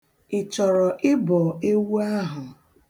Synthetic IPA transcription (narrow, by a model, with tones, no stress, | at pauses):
ɪ˨t͡ʃɔ˨ɾɔ˨ʔɪ˦bɔ˨e˦wu˦a˦ɦʊ˨